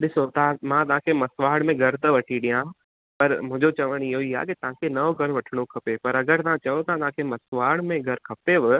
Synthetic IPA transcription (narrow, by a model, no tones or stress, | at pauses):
ɗɪsot̪ãmãt̪ɐʋ̤ãkʰemɐsʋaːɽ̃mẽɡʱɐɾt̪ɐʋɐʈʰiɗijãɦ | pɐɾmʊ̃ɦɪ̃ɲd͡ʑot͡ɕɐʋəɽ̃ɪɦoiɦa̰ːkit̪ɐʋ̤ãkʰenɐoɡʱɐɾʋɐʈʰəɽ̃okʰɐpepɐɾɐɡəɾt̪ɐʋãt͡ɕɐjot̪ɐãt̪ɐɦãkʰemɐsʋaːɽmẽɡʱɐɾkʰɐpeʋɪ